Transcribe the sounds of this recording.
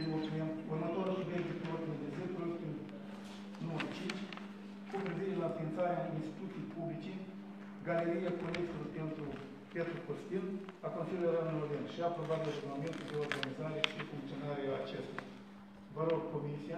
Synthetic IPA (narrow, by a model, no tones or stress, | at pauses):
ot̪menurmət̪oɾʃuved̪iplot̪med̪ezekulokt̪in | numəɾut͡ʃint͡ʃʲ | kopɾiviɾelafint̪saɾeainst̪i̥t̪ut̪sijpublit͡ʃi | ɡaleɾijakoɾekt̪olpe̞nt̪ɾu | pet̪ɾukost̪ilakonsilujeɾanɨmovenʃiapɾobat̪̚d̪eduɡmament̪uld̪eo̞rɡanizaɾeʃiefuŋkt̪sionaɾeaːt͡ʃest̪ea̰ | vəɾoɡ̚ko̞misija